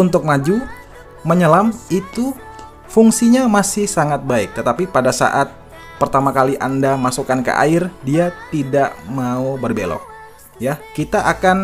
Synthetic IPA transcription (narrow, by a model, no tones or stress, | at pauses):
unt̪ʊk̚mad͡ʒu | məɲəlamit̪u | fuŋsiɲamasɪhsaŋat̪̚baɪk̚t̪ət̪apipadasa̰ʔat̪̚ | pərt̪amakaliʔandamasukankə̰ʔa̰ɪrdiat̪idaʔmaubərbelɔ̰h | jakit̪aʔakan